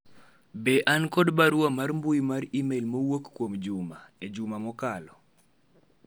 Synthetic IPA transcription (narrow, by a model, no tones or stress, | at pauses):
beʔankɔdbaɾwamarmbujmaɾimelmowokkːwomd͡ʒumaed͡ʒumamɔkalɔ